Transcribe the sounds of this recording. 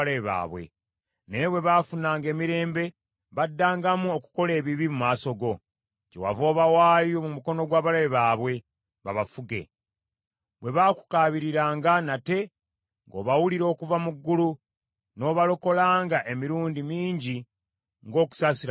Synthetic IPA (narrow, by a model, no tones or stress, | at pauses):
leβa̰ːβwe̞̰ | neβwe̞βafunaːŋɡe̞ːmiɾe̞ːmbe̞ | βadːaːŋɡamuoku̥ko̞le̞ːβiβimumaːso̞ɡo̞ | cḛwa̰vo̞ːβawaːjomumuko̞no̞ɡwaːβalaeβaːβwe̞ | βa̰βafuɡe̞̰ | βwe̞βaku̥kaːβiɾiɾaːŋɡanate̞ | ŋɡo̞ːβawuliɾo̞ːkuvamuɡːulu | no̞ːβaloko̞laːŋɡaʔe̞miɾuːndimiːɲɟi | ŋɡo̞ːku̥saːsiɾ